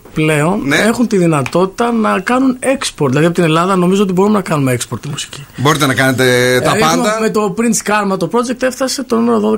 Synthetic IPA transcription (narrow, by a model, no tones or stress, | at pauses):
ple̞o̞ne̞xunt̪iðinɐt̪o̞t̪i̥t̪ɐnɐkɐnune̞kspoɾt̪ðilɐðiɐpot̪ine̞lɐðɐno̞mizoo̞t̪ibo̞ɾumenɐkɐnumeekspo̞ɾt̪ːimusi̥cibo̞ɾit̪enɐkɐne̞t̪et̪ɐɐnmd̪ɐmet̪o̞pɾint̪skɐɾmɐt̪o̞pɾo̞d͡ʒek̚t̪efθɐse̞t̪o̞nume̞ɾoðo̞ðe